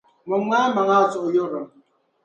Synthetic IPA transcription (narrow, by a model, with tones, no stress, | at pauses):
mɔ˨ŋʷaː˦ma˨ŋa˦˨sɔ˨ʔjo˦ɾə˨